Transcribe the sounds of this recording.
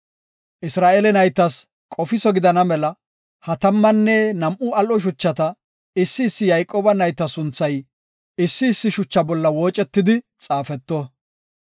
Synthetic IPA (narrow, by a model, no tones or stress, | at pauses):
ʔɪsɾaːʔelɛnɐjt̪ːɐs | kʼɔfɪsɔɡɪd̪ɐnɐmɛlɐ | hɐt̪ɐmːɐnːɛnɐmʔʊɐlʔɔʃ̬ʊt͡ʃːɐt̪ɐ | ɪsːɪːsːɪjɐjkʼoːbɐnɐjt̪ːɐsʊnt͡sːɐj | ɪsːɪːsːɪʃʊt͡ʃːɐbɔlːɐwo̞ːt͡ʃʼɛt̪ːɪd̪ɪ | t͡sʼaːfɛt̪ːɔ